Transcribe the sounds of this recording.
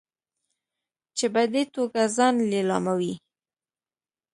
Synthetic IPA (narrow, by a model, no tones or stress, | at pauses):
t͡ʃebad̪et̪oɡazɑnlelɑmawi